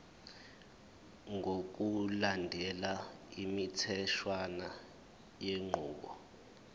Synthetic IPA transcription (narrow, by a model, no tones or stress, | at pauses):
ŋok̬ulandʱɛlaimitʰɛʃwana | jeŋ͡ǃʱuːkɔ